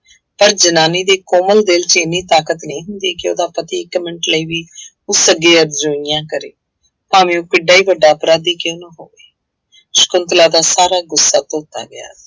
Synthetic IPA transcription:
pəɾd͡ʒənaːniːd̪eːkoːməld̪eːlt͡ʃeːniːt̪aːkət̪neːɦʊnd̪iːkɪo̰ːd̪aːpət̪iːkəmɪ̃ɳʈləiːʋiː | ʊsəɡeːəɾd͡ʒũːnɪjãːkəɾḛː | pãːʋĩːõːkɪɖaːiːʋəɖːaːəpɾaːd̪iːkɪoːnãːɦoːʋeː | ʃə̥kʊnt̪laːd̪aːsaːɾaːɡʊsːaːt̪oːt̪a̰ːɡəja̰ː

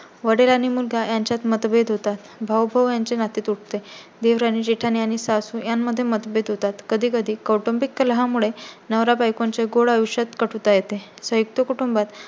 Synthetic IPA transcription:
ʋəɽelaniːmulɡʱajaɲt͡ɕjat̪mət̪bed̪ʱɦot̪at̪bʱəwbʱəʋjaɲt͡ɕenat̪et̪uʈ̚ʰt̪e | d̪eʋɾaniːd͡ʑiʈʰaniaɽ̃isasujamːəd̪ʱːjemət̪bed̪ɦot̪at̪kəd̪ʱiːkəd̪ʱiːkəʈombikːəlɦãmuɭenəʋɾabajkaɲt͡ɕeɡoɽəʋuɕat̪kəʈʰut̪ajet̪esə̃juk̚t̪əkuʈumbat̪

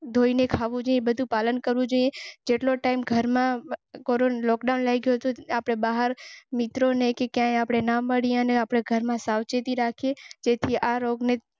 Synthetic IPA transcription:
d̪ʱoinekʰaʋũd͡ʒoiẽbəd̪ʱũpalənkəɾʋũd͡ʒoiẽd͡ʒeʈloʈaimɡʱəɾmãkoɾonlɔkɖaunlajɡjoɦt̪oapɽ̃ebaɦəɾmɪt̪ɾonekekjãeapɽ̃enaməɽiəneapɽ̃eɡʱəɾmãsaʋt͡ʃet̪iɾakʰed͡ʒet̪ʰiʔaɾoɡne

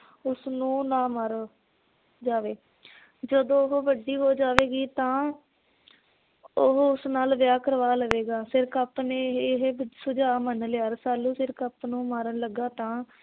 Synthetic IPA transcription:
ʊsnũːnãːmaɾ | d͡ʒaːʋeː | d͡ʒəd̪õːʊɦʋəɖiːɦoːd͡ʒaːʋeːɡiːt̪ãː | oɦʊsnaːlʋjaːkəɾʋaːləʋeːɡaːsɪɾkaːpnẽːɦsʊd͡ʒaːmənleaːɾsaːlːũːsɪɾkaːpnũːmaːɾənləɡaːt̪ãː

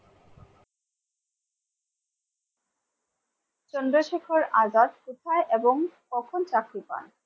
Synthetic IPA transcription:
t͡ɕɔnd̪ɾoʃekʰoɾazaɾ̚put̪ʰaeʔeboŋkɔkʰont͡ɕakɾipa̰n

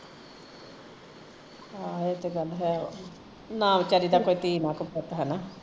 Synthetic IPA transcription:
ɦãːet̪eɡəlɦɛː | naːmt͡ʃaːɾiːd̪aːkoːiːt̪iːnãːkəpət̪ɦɛːnaː

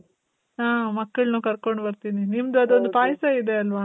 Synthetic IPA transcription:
aːmɐkːɐɭnuːkɐɾko̞ɳɖbɐɾt̪ininimd̪uɐd̪o̞nd̪upaːjsɐid̪e̞ɐlʋa

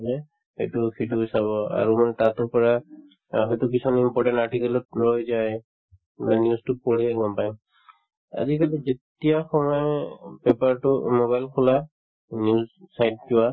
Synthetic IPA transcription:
ɛ | ejtʊkʰituisaβɔa̰ɹumanɛtatɔpɔɹa | ɦɔjtʊk̬isɔnimpɔɹʈɛ̃ntaɹʈikɛlɔt̚ɹojzaj | nɛnjuztʊpoɹiɛɡɔmpajm | a̰zikalizetijaxɔmɔjpepaɹtʊmɔβajlkʰula | njuzsajt̚d͡ʒʊwa

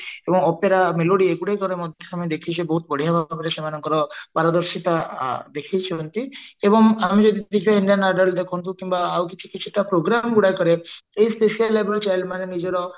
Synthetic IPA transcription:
ebɔŋɔpeɾameloɽieɡuɽejkɔɾemɔd̪ʱt̪ʰeamid̪ekʰid͡ʒebɔɦut̪bəɽ̤iɦabʱakeɾasemanɔŋkɔɾɔpaɾɔd̪ɔɾsit̪ad̪ekʰijt͡ʃʰiɔnt̪iebɔŋamid͡ʒɔd̪id̪ikɔiɳɖianaɖəld̪ekʰɔnt̪ũkimbaawkit͡ʃʰi̥kit͡ʃʰi̥ʈapɾoɡɾamɡuɽajkɔɾeejspesialːebelt͡ʃajlmanenid͡ʒɔɾɔ

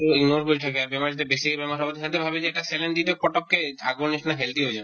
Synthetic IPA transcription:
oiɡnoɾkoɾit̪ʰakeaɾbemad͡ʑt̪ebesikebemaʃɔbot̪iɦãnt̪eɾbʱabed͡ʑeɛk̚ʈasɛlend̪it̪ekɔʈok̚kːeaɡoniʃnaɦeld̪iɦojd͡ʑan

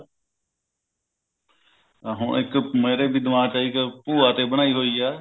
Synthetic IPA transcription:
ɦʊ̰̃ːnɪkmeːɾeːbʱiːd̪ʋãːt͡ʃaːiːkəpuːaːt̪eːɓəɳ̃aːiːɦoːiːaː

